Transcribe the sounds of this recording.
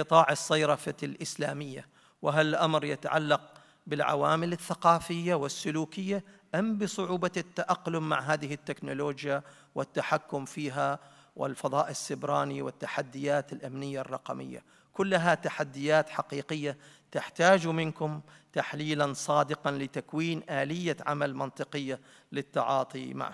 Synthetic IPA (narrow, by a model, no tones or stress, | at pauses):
ɨt̪ˤɑːʕɑsˤːɑjɾˤɑfalʔɪslaːmɪjːa̰ | wɪɦalːʔamɾjɪt̪aʕa̰lːɑq̚ | bɪlʕa̰waːmɪlɪθːaqɑːfɪjːawɪsːʊluːkɪjːaʔambɨsˤʊʕuːbɑt̪ːaʔaqːlʊmːa̰ʕɦaːðɪɦɪt̪ːɪknʊloːd͡ʒja | wɪt̪ːaħakːʊmfiːɦa | wɪ̰lfɑðˤɑːʔɪsːɪbɾˤɑːniwɪt̪ːaħad̪ːɪjaːt̪ɪlʔamnɪjːarˤːɑ̰qɑmɪ̰jːa̰ | kʊlːɦat̪aħad̪ːɪjaːt̪ħaqiːqɪjːat̪ɪħt̪aːd͡ʒumɪnkʊmt̪aħliːlansˤɑːd̪ɪqɑnlɪt̪akwiːnʔaːlɪjːaʕa̰malmɑnt̪ˤɨqɨjːa | lɪt̪ːɑ̰ʕɑːt̪ˤima̰ʕ